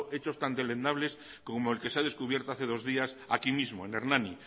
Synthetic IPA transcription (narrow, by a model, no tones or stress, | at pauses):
ʔet͡ʃo̞st̪and̪elend̪aβles | komoelkeseað̞eskuβje̞ɾt̪oaθe̞ð̞o̞zðiasa̰kimizmoeneɾnani